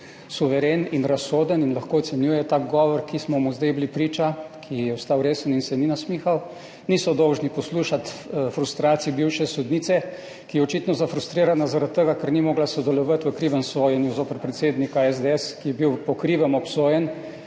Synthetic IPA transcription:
suʋɛɾeːninɾasːoːd̪əninlaxkoɔt̪sɛnjuːjɛt̪aːɡɡɔːʋɔɾkismɔmuzd̪ajbilipɾiːt͡ʃakʰijɛɔst̪awɾeːsəninsɛninasmiːxaw | nisɔd̪ɔwʒnipɔsluːʃat̪fɾust̪ɾaːt̪siibiwʃɛsɔd̪niːt̪sɛ | kijɛɔt͡ʃit̪nɔzafɾust̪ɾiːɾanazaɾat̪̚t̪ːəɡakəɾnimoːɡlasɔd̪ɛlɔʋat̪ʋəkɾiʋəmsoːjɛnjuzoːpəɾpɾɛt̪seːd̪nikaɛzd̪eɛskijɛbiwpɔkɾiːʋəmɔpsoːjɛn

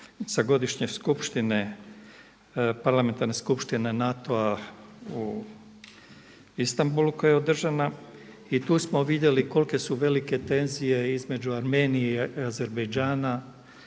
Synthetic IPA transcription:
saɡo̞d̪iʃɲeskupʃt̪ine̞ | paɾlˠame̞nt̪aɾne̞skupʃt̪inenat̪o̞a | u | ist̪ambulukojeod̪r̩ʒana | it̪uːsmo̞ʋid̪je̞liko̞lke̞suʋe̞like̞t̪e̞nzije̞izme̞d͡ʑuaɾme̞ːnijeiaze̞ɾbejd͡ʒaːna

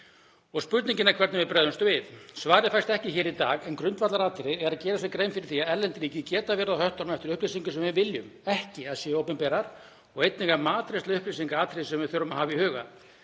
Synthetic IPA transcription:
ɔɣspʏɾt̪niɲcɪnaɾkʰvɛɾt̪ɪvɪpɾɛːðʏnst̪ʏvɪðsvaːɾɪfajst̪ɛhcɪçɛːɾit̪a̰ːɣɛnkɾʏnt̪vat̪laɾaːt̪ʰɪɾɪɛɾacɛːɾasɛkɾejmfɪɾɪɾ̥θiaðɛɾlɛnt̪ɪɾiːcɪcɛːt̪avɛːɾaðhœht̪ɔɾmɛft̪ɪɾʏhplisiŋkʏsɛmvɪvɪljʏmɛhcɪaðsjɛowpʏmpɛːɾaɾ̥ | ɔɣejt̪niɣamaːt̪ɾest̪aʏhplis̬iŋkaaːt̪ʰɾɪsɛmvɪθʏɾːʏmaðhaːvɪihʏːɣa̰

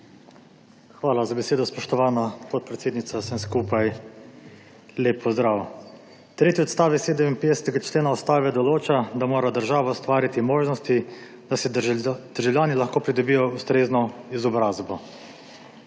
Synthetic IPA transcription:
xʋaːlazabɛseːd̪ɔspɔʃt̪ɔʋaːnapɔt̪̚pɾɛt̪seːd̪nit̪sasɛmskuːpaj | leːpʰːɔzd̪ɾaːw | t̪ɾeːt̪iɔt̪st̪aːʋɛseːd̪əminpeːd̪ɛsɛ̥t̪ɛɡat͡ʃleːnaɔst̪aːʋɛd̪ɔloːt͡ʃad̪amoːɾad̪əɾʒaːʋaɔst̪ʋaːɾit̪imoːʒnɔst̪i | d̪̥asɛd̪̥əɾʒawljaːnilaxkoːpɾid̪ɔbijɔust̪ɾeːznɔizɔbɾaːzbɔ

